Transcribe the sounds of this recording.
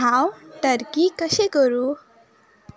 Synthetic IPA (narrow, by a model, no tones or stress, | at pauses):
awʈəɾkikəɕekəɾu